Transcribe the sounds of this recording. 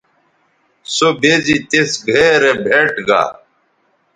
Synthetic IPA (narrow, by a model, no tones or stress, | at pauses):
sobʱezit̪esɡʱeɾebʱeʈɡa̰ː